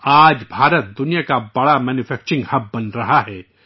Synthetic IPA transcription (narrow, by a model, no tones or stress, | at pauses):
aːd͡ʒbʱaːɾət̪̚d̪ʊnijakabɐɽamɛːnʊfʰɛːk̚t͡ʃɪ̃ŋɡhɐb̚ːɐnɾɐɦaɦɛː